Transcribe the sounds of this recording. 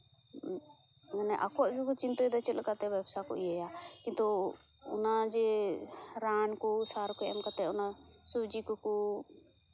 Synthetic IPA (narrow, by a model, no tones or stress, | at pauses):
ɡanɛʔa̰kuaʔkɔkɔt͡ʃint̪ɔd̪at͡ʃəlkat̪ɛbɛbsakɔ̰ʔiajakĩnt̪ɔ | ɔ̰nad͡ʒɛ | ɾankɔsaɾkɔjamkat̪ɛɔna | subd͡ʒikɔkɔ